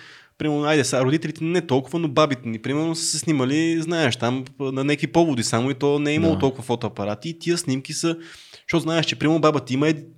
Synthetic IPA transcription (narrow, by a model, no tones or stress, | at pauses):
pɾimɛɾnoajd̪ɛsaɾod̪it̪ɛlit̪ɛnɛt̪ɔlˠkʊvənobabit̪ɛnipɾimɛɾnosə̥sɛsniməliznaɛʃt̪amnɐnɛkipɔvod̪isamoit̪ɔnɛɛiməlˠot̪ɔlˠkʊvɐfɔt̪oɐpɐɾat̪it̪iəsnimkisə | ʃt̪oɔt̪ʊznaɛʃt͡ʃɛpɾimɛɾnobabət̪iməɛd̪